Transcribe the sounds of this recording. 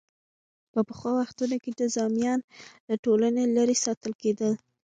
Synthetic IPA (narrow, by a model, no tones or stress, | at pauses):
pəpəxwɑwaxt̪unoked̪əzɑmjɑnd̪əʈolanelaɾesɑt̪əlked̪əl